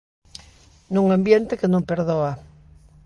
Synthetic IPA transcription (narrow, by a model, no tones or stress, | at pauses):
nuŋambjent̪ɪkenõmpeɾðoa